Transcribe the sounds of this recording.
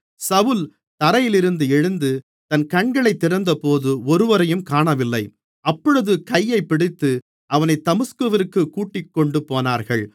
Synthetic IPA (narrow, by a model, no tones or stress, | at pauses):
sɐʋʊl | t̪ɐɾɐjɪlɪɾɯnd̪ɯɛɻɯnd̪ɯ | t̪ɐnkɐɳɡɐɭɐɪt̪ːɪɾɐnd̪ɐpoːðɯɔɾɯʋɐɾɐjɯmkaːɳɐʋɪlːɐɪ | ɐpːɔɻɯðɯkɐjːɐɪpːɪɽɪt̪ːɯ | ʔɐʋɐnɐɪt̪ːɐmɯskɯʋɪɾkːɯkːuːʈːɪkːɔɳɖɯpoːnaːɾɣɐɭ